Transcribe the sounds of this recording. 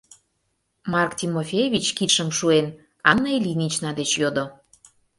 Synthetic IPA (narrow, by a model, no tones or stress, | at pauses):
mɑrkt̪ʲimofʲejvʲit͡ɕkit̪ʃəmʃuen | ɑnːəilʲinʲit͡ɕnɑd̪et͡ɕjod̪o